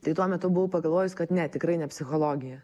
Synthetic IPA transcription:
t̪ɐɪt̪uɔmʲɛt̪ʊbʊʋʊpɐɡɐlˠʋoːjʊskɐt̪nʲɛt̪ʲɪkɾɐɪnʲɛpʲsʲɪxoːlˠoːɡʲɪjɛ

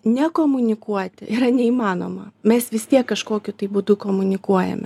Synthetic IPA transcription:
nʲɛkoːmʊnʲɪkuɔt̪ʲɪiɾɐnʲɛiːmɑːno̰ːmɐmʲɛsʋʲɪst̪ʲiɛkːɐʃkoːkʲʊt̪ɐɪbʊd̪ʊkoːmʊnʲɪkuɔjɛ̰mʲɪ

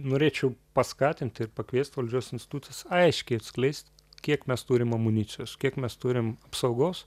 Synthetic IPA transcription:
noːɾʲeːt͡ʃʲɛʊpɐskɑːt̪ʲɪnʲt̪ʲɪrpɐkʋʲiɛsʲt̪ʋɐlʲd͡ʒʲuɔsɪnʲsʲt̪ʲɪ̥t̪uːt̪t͡s̪ʲɪjɛsɐɪʃʲkʲɛɪɐt̪sʲklʲɛɪsʲt̪ʲ | kʲiɛkmʲɛst̪uːɾʲɪmɐmʊnʲɪːsʲɪjoːskʲiɛkmʲɛst̪uːɾʲɪmɐpsɐʊɡoːs

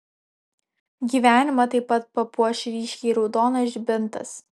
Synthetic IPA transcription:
ɡʲiːʋʲæːnʲɪmɐt̪ɐɪpːɐt̪̚pɐpuɔʃʲɪɾʲiːʃʲkʲɛɪɾɒʊd̪oːnɐʒʲbʲɪnˑt̪ɐ̰s

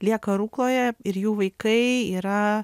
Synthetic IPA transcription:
lʲiɛkɐɾuːklˠoːjɛɪɾjuːʋɐɪkɐɪiːɾɐ

